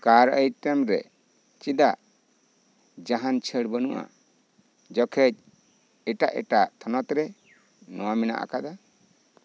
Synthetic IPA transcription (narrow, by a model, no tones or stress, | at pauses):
kaɾəjʈɛmɾɛ̰ | t͡ʃid̪aʔ | d͡ʒaɦant͡ʃʰəɽbənuʔa̰ | d͡ʒɔkʰɛd͡ʒ̚ | ɛʈaʔɛ̰ʈaʔt̪ʰɔnɔt̪ɾɛ | nɔwamina̰ʔa̰kad̪a